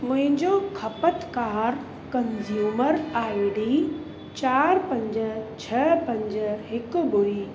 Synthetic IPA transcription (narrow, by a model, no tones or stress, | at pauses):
mʊ̃ɦɪ̃ɲd͡ʑokʰɐpət̪kaːɾ | kɐnzjuːməɾaːiɽiː | t͡ɕaːɾpɐ̃ɲd͡ʑ̆t͡ɕʰɐpɐ̃ɲd͡ʑ̆ɦɪkʊ̆bʊɾiː